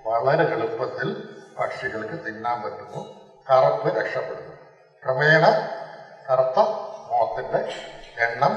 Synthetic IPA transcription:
ʋɐɭɐɾekɐɭupːɐt̪ːilpɐkʂiɣɐɭkɨt̪inːaːmpɐtːunːu | kɐrɐpːɨɾekʂɐpːeɽunːu | prɐʋeːɳɐk̪ɐrt̪ːɐmoːt̪ːindeeɳːɐm

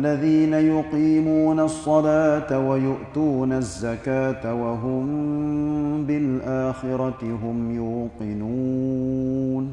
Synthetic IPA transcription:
lːaðiːnajʊqiːmuːnasˤːɑlaːt̪awajʊʔt̪uːnazːakaːt̪awaɦʊm | bɪlʔaːxɪɾɑtɪɦʊmjuːqɪnuː | n

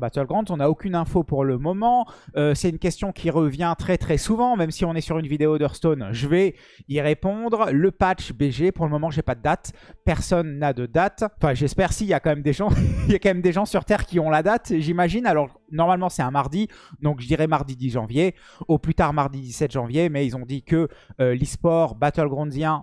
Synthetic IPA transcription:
bat̪œlɡʁɑ̃d̪zɔ̃naokʲynɛ̃fopuʁləmɔmɑ̃øsɛt̪ynkʲɛst̪jɔ̃kʲʰiʁəvjɛ̃t̪χɛt̪χɛsuvɑ̃mɛmsiɔ̃nɛsyʁynvid̪eod̪œʁst̪onʒəvɛ | iʁepɔ̃d̪ʁləpat͡ʃbeʒepuʁləmɔmɑ̃ʒepad̪əd̪at̪pɛʁsɔnːad̪əd̪at̪ɑ̃fɛ̃ʒɛspɛʁsiljakɑ̃mɛmd̪eʒɑ̃iljakɑ̃mɛmd̪eʒɑ̃syʁt̪ɛʁkʲiɔ̃lad̪at̪ʒimaʒinalɔʁ | nɔʁmalmɑ̃sɛɛ̃maʁd̪i | d̪ɔ̃kʒəd̪iʁɛmaʁd̪id̪iʒɑ̃vje | oplyt̪aʁmaʁd̪id̪isɛt̪ʒ̥ɑ̃vjemɛilzɔ̃d̪ikəlispɔʁbat̪əlɡʁɔ̃nzjɛ̃

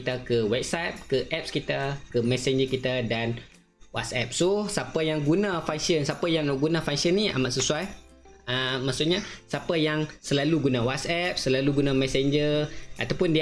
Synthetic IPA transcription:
it̪akəwɛp̚sajp̚kəʔɛp̚skit̪akəmɛsɛɲd͡ʒəkit̪adan | wa̰t̪sɛp̚sosapajaŋɡunãfaŋsiənsapajaŋɡunãfaŋsiənːia̰maʔsəsuwaj | əmasuʔɲasapajaŋsəlaluɡunawasɛp̚səlaluɡunamɛ̃sɛɲd͡ʒərʔa̰t̪awpʊndi

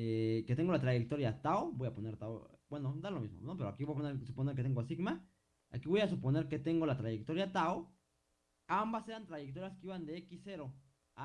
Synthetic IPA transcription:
eket̪e̞ŋɡolat̪ɾaʝek̚t̪oɾjat̪aobojaponeɾt̪aobwenod̪alomizmo̰nopeɾoa̰kiβojap̬oneɾsuponeɾket̪eŋɡosiɡma | a̰kiβojasupone̞ɾke̞t̪eŋɡolat̪ɾaʝek̚t̪oɾjat̪ao | ambaseɾant̪ɾaʝekt̪oɾjaskeiβand̪eekisːe̞ɾo | a

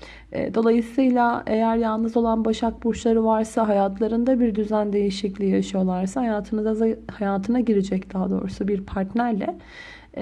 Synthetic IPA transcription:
ɛ̰ːd̪o̞lˠajɯsɯjlʲˠaejæɾjalˠnɯzo̞lˠanbaʃak̚buʃlˠaɾɯvaɾsaɦajat̪ʰlˠaɾɯnd̪abiɾd̪yzænd̪e̞jiʃiclʲijaʃɯjo̞lˠaɾsahajat̪ʰɯnɯzaahajaːt̪ʰɯnaɟiɾed͡ʒɛcd̪aɦad̪o̞̰ːɾusubiɾpʰaɾt̪næɾlʲɛ

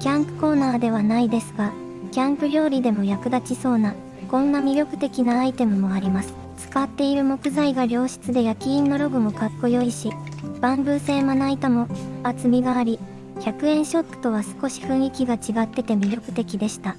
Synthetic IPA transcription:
kʲãmpɯ̟̥ko̞ːnaːd̪e̞β̞anaid̪e̞sɨɡa | kʲãmpɯ̟ɾʲjo̞ːɾʲid̪e̞mo̞jakɯ̟d̪at͡ɕiso̞ːna | kõ̞nːamʲiɾʲjo̞kɯ̟̥t̪e̞kʲinaːit̪e̞mɯ̟mo̞aɾʲimasɨ̥ | t͡sɨ̥kat̪ːe̞iɾɯ̟mo̞kɯ̟zaiɡaɾʲjo̞ːɕi̥t͡sɨd̪e̞jakʲĩːnːo̞ɾo̞ɡɯ̟mo̞kakːo̞jo̞iɕib̥ãmbɯ̟ːse̞ːmanait̪amo̞at͡sɨmʲiɡaːɾʲi | çakɯ̟ẽ̞ɰ̃ɕo̞t̪ːɯ̥t̪o̞βasɨ̥ko̞ɕi̥ɸɯ̟̃ɰ̃ikʲiɡat͡ɕiɡat̪ːe̞t̪e̞mʲiɾʲo̞kɯ̟̥t̪e̞kʲid̪e̞ɕi̥t̪a

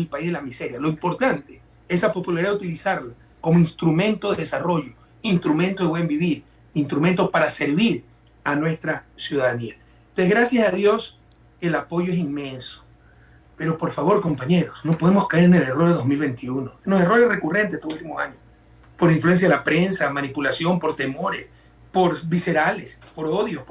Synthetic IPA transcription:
mipaizðelamise̞ɾjaloimpo̞ɾt̪ant̪e | eslapo̞pulaɾiðaðut̪ilisaɾla | ko̞moinst̪ɾumẽ̞nt̪oðeðesaro̞ʝo̞ | inst̪ɾument̪oðeβwembiβiɾ | inst̪ɾument̪o̞paɾase̞ɾβiɾ | anwest̪ɾasjuðaðania | nt̪onseɣɾasjasaðjo̞s | e̞lapo̞ʝoes̬inme̞nso̥ | pe̞ɾo̞po̞ɾfaβo̞ɾko̞mpaɲe̞ɾosno̞poð̞e̞mo̞skaeɾenele̞roɾðeðozmilβe̞nt̪iunoenose̞ro̞ɾe̞sre̞kure̞nt̪est̪oult̪imosa̰ɲos | po̞ɾiɱfluens̬jaðelapɾensamanipulasjo̞mpo̞ɾt̪e̞mo̞ɾes | po̞ɾβise̞ɾalespo̞ɾoðjosp

